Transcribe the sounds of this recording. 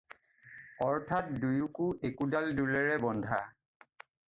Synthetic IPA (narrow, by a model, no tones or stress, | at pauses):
ɔɹtʰat̚dujukʊʔekudaldulɛɹɛbɔndʱa